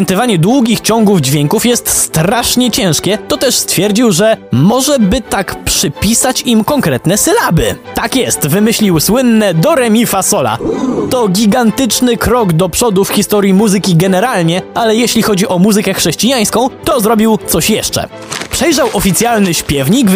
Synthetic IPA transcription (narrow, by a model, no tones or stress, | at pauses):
ɛnt̪ɨvaɲɛd̪wuɡʲixt͡ɕɔŋɡuvd͡ʑvʲjɛŋkufjɛst̪st̪ɾaʂɲɛt͡ɕɛ̃w̃ʂkʲɛt̪ɔt̪ɛʂst̪fʲjɛɾd͡ʑiwʐɛmɔʐɛbɘt̪akpʂɘpʲisat͡ɕimkɔŋkɾɛt̪nɛsɘlabɘ̰t̪akjɛst̪vɘmɘɕlʲiwswɘnːɛd̪ɔɾɛmʲifasɔla̰t̪ɔɡʲiɡant̪ɘt͡ʂnɘkɾɔɡd̪ɔpʂɔd̪ufxʲist̪ɔɾʲjimuzɘkʲiɡɛnɛɾalɲɛʔalɛjɛɕlʲixɔd͡ʑiʔɔmuzɨkɛxʂɛɕt͡ɕijaj̃skɔ̃w̃t̪ɔzɾɔbʲiwt̪sɔɕjɛʂt͡ʂɛ̰ | pʂɛjʐawʔɔfʲit̪sʲjalnɘɕpʲjɛvɲik